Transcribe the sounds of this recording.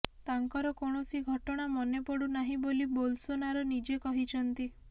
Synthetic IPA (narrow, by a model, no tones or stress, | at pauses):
t̪aŋkɔɾɔkoɳ̃ɔsiɡʱɔʈɔɽ̃amɔnepɔɽunaɦĩbolibolsonaɾɔnid͡ʒekɔɦit͡ʃʰɔnt̪i